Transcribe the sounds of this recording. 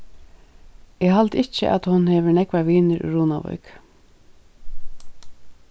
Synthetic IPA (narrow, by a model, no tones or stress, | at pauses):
ɛːɦalt̪ɪt͡ʃə̰ʔæ̰t̪hʊnhɛːʋɪɹnɛkʋaʋiːnɪɾʏ̰ɾuːna̰ʋɔ̰jk